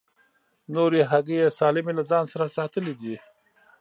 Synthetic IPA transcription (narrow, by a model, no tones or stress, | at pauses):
noɾeɦaɡejesɑlɪmelad͡zɑːnsaɾasɑt̪əlid̪i